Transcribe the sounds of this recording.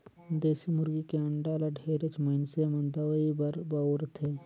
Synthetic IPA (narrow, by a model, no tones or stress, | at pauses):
d̪eːsimʊɾɡikeɐ̃ɳɖaːlaɖʱeːɾət͡ʃməɪnsemɐ̃nd̪awəibəɾbaɾt̪ʰeː